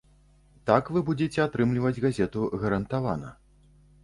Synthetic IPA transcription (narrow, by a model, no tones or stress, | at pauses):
t̪akvɨbud͡zʲɛt͡sʲɛat̪ɾɨmlʲivɐd͡zʲɣazʲɛt̪uɣɐɾɐnt̪ava̰nɐ̰